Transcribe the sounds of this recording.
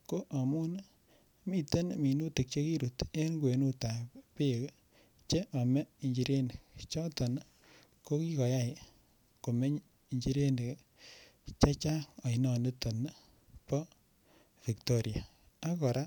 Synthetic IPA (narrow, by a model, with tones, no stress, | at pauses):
ko˦ʔa˨mu˦n | mi˦˨tə˦nmi˨nu˦ti˨k̚t͡ʃe˦ki˦ɾu˨te˦nkwe˨nu˦ta˨pe˦˨k | t͡ʃe˦ʔa˨mɛ˦i˨ɲd͡ʒi˨ɾe˦ne˨kt͡ʃɔ˦tɔ˨n | ko˦ki˦kɔ˨ja˦˨ | ko˨me˦ɲ | i˨ɲd͡ʒi˦ɾe˦ne˨k | t͡ʃa˦t͡ʃa˦a˨i˨nɔ˨ne˦tɔ˨n | pɔ˦ | fi˨kto˦ɾja˨ | a˦kɔ˨ɾa˦